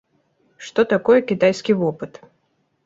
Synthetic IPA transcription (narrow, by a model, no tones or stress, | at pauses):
ʂt̪ɔt̪akɔjɛkʲɪt̪ajskʲijvɔpɨt̪